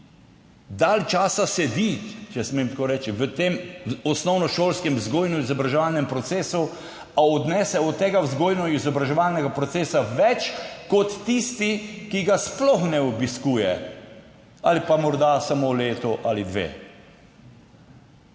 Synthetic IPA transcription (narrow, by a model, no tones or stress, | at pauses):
d̪alt͡ʃaːsasɛd̪it͡ʃɛsmemt̪koːɾɛːt͡ʃiʋət̪emɔsnɔwnɔʃoːlskɛmzɡoːjnɔizɔbɾaʒɛʋalnɛmpɾɔt̪seːsu | aɔd̪nɛːsɛɔt̪ːeːɡawzɡoːjnɔizɔbɾaʒɛʋalnɛɡapɾɔt̪seːsaʋɛt͡ʃkɔt̪ːist̪ikiɡasplɔxnɛɔbiskuːjɛ | alipamɔɾd̪asamoleːt̪ɔʔalid̪ʋḛː